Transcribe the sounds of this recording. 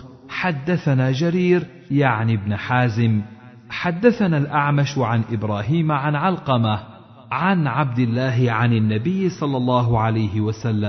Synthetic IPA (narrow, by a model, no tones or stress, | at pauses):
ħad̪ːaθanaːd͡ʒaɾiːɾ | jaʕnɪbnħaːzɪm | ħad̪ːaθanaːlʔaʕmaʃʕanʔɪbɾˤaːɦiːmʕanʕalqɑma | ʕanʕab̚d̪ɪlːaːɦɪʕananːabɪjːɪsˤɑlːɑlˤːɑːɦʊʕalajɦɪwasalːam